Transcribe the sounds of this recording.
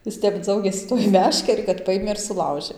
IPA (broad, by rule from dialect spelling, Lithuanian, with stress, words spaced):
ˈjɪs ˈtʲɛp ˈd͡zɐʊɡʲeːsʲɪ tuɔj ˈmʲæːʃʲkʲɛrʲɪ kɐt ˈpɑːjeːmʲeː ɪr sʊˈlˠɐʊʒʲeː